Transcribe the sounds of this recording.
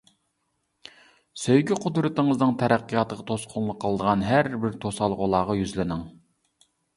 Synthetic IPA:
søjɡʲyqʰʊd̪ɾɨt̪ɨŋɨznɨŋt̪ʰɛɾæqːɨjɑt̪əʁɑt̪ʰosqʰʊnlˠəqʰːəlˠəd̪əʁɑnɦæɾbɪɾt̪ʰosɑlˠʁolˠɑːʁɑjyzlɪnɪŋ

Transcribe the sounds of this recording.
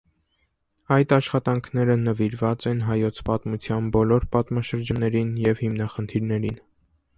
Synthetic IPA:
ɑjt̪ɑʃχɑt̪ɑŋkʰnɛɾənəviɾvɑt͡sɛnɦɑjɔt͡sʰpɑt̪mut͡sʰjɑnbɔlɔɾpɑt̪mɑʃəɾd͡ʒɑnːɛɾinjɛvhimnɑχənt̪ʰiɾnɛɾin

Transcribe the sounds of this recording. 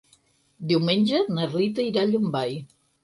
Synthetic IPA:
d̪iwmenʲd͡ʒenarlit̪ɐiɾaʎumbaj

